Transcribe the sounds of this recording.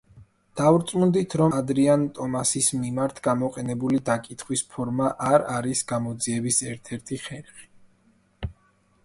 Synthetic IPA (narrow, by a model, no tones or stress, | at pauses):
d̪̥avuɾt̪sʼmuld̪it̪ʰɾɔmad̪ɾiant̪ʼɔmasismimaɾt̪ʰɡamɔqʼɛnɛbulid̪akʼit̪ʰχwispʰɔɾmaʔaɾaɾisɡ̥amɔd̪ziɛbisɛɾt̪ʰɛɾt̪ʰiχɛɾχi̥